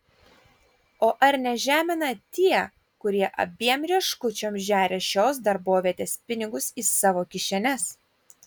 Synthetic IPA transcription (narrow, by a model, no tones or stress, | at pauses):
oːʔɐɾnʲɛʒʲæːmʲɪnɐt̪ʲiɛ | kʊɾʲiɛʔɐ̰bʲiɛmɾʲiɛʃkʊt͡ʃʲoːmʒʲæːɾʲeʃʲoːs̬d̪ɐɾboːʋʲiɛt̪ʲeːspʲɪnʲɪɡʊsisɑːʋoːkʲɪʃʲɛnʲɛs